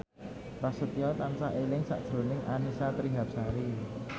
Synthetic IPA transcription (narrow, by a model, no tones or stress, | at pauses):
rasət̪iɔt̪amsahʔelɪŋsa̰ʔd̥ʒ̥ɾonɪŋʔanisat̪ɾiɦap̚saɾi